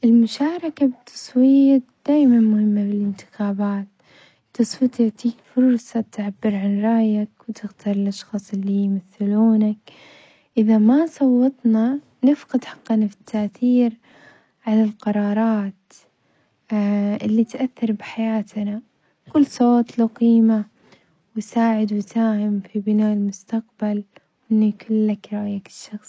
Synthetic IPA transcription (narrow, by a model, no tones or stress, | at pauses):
ʔɪlmʊʃaːɾˤɑkabɪt̪ʰːɑ̥sˤwiːt̪d̪̥aːjmanmʊhɪmːabɪlɪnt̪ɪ̥xaːbaːt̪ | t̪ːɑsˤwiːt̪jaʕt̪iːkfʊɾˤsˤɑt̪ʕabːɪɾʕanɾˤɑːjakwt̪ɪxt̪ɑɾˤɪlʔɑʃxɑːsˤɪlːijmaθɪluːnak̚ | ʔɪðamasˤɑwːɑt̪ˤna | nɪfqɑd̪ħɑ̥qːɑnafɪ̥t̪ʰːaʔθiːɾ | ʕalalqɑɾˤɑːɾˤɑːt̪ | ʔɪlːit̪ʔaθːɑɾˤbɪħajaːt̪na | kʊlːsˤoːt̪ˤluqiːma | wɪsaːʕɪd̪wɪt̪aːhɪmfibɪnaːʔɪlmʊst̪aq̚balwʔɪnːijkʊlːakɾˤɑʔjakɪ̥ʃːɑxsˤ